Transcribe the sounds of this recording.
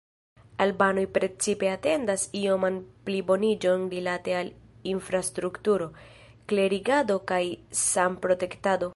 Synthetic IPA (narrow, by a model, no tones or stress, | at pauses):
albanojpɾe̞t͡sipe̞ate̞ndasio̞manplibo̞nid͡ʒo̞nɾilate̞alinfɾastɾuktuɾo̞ | kle̞ɾiɡado̞kajsampɾo̞te̞ktado̞